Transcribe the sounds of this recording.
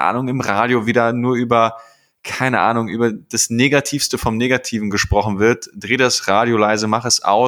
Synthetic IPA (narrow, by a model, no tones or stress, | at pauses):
ʔa̰ːnʊŋɪmʁaːɾjoviːdaːnuːɐʔyːbɐ | kʰaɪnəʔa̰ːnʊŋʔyːbɐd̥asneːɡatʰiːfstəfɔmneːɡatʰiːvn̩ɡəʃpʁ̥ɔχn̩vɪɐtd̥ʁeːdasʁaːɾjolaɪzəmaχəɛsʔa̰ʊ